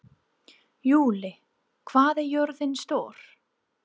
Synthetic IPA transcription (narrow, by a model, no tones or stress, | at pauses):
juːlɪ | kʰvaːðɛɾjœɾðɪnst̪oːɾ̥